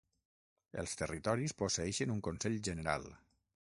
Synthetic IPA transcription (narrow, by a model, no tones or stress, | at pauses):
ə̰lˠst̪ərit̪ɔɾisposeɛʃənuŋkonsɛʎʒəneɾa̰lˠ